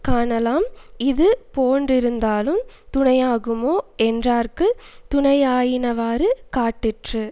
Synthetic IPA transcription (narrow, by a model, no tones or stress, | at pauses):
kaːɳɐlaːmɪðɯpoːndrɪɾɯnd̪aːlɯm | t̪ʊɳɐjaːɣɯmoːɛndraːɾkɯt̪ʊɳɐjaːjɪnɐʋaːɾɯkaːʈːɪʈrɯ